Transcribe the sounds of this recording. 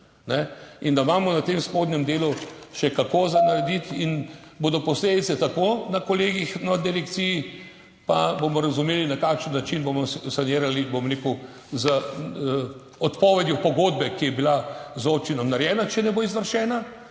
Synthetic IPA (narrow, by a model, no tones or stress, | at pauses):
nɛind̪amaːmɔnat̪emspoːd̪nʲɛmd̪eːluʃɛkakozanaɾɛd̪it̪inboːd̪ɔpɔsleːd̪it̪sɛt̪akonakɔleːɡixnad̪ɛlɛkt̪siji | pabomɔɾɐzumeːlinakaːkʃənːat͡ʃinbomɔssaneːɾalibomɔɾekɔ | zə | ɔt̪pɔːʋɛd̪jupɔɡoːd̪bɛkijɛbilazoːp̚t͡ʃinɔmnaɾjɛːnat͡ʃɛnɛboizʋəɾʃɛːna